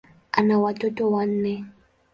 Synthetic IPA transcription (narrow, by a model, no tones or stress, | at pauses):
anawatotowan̩ːɛ